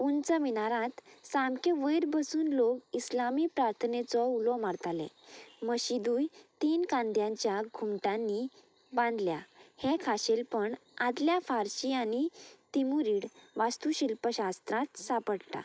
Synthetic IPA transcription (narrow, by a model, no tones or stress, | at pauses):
unt͡səminaɾãt̪samkeʋəjɾbəsuːnlokislamiːpɾaɾt̪ʰənet͡sɔulɔmaɾt̪alɛ̰̃məɕid̪uːjt̪iːnkãnd̪jãɲt͡ɕjaɡʱumʈãnːi | bãnd̪ljahekʰaɕelpəɳad̪ljafaɾɕianit̪imuɾiːɽʋast̪uɕilpəɕast̪ɾãt̪sapəɽʈa̰